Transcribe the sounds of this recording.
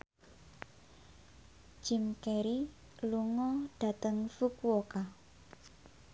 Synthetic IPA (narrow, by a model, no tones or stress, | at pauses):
d͡ʒ̥imkeɾi | luŋɔɖ̥a̤t̪əŋfukwoka